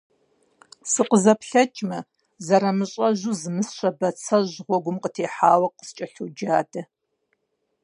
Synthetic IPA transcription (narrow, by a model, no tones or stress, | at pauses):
sɨqʷəzɐpɬɐt͡ʃʼmɐ | zɐɾɐmɨɕʼɐʒuzɨmɨsɕʷɐbɐt͡sʰɐʑʁʷɔɡʷʊmqətʰeːħaːwɐqə̥st͡ʃʼɐɬud͡ʒaːdʰɐ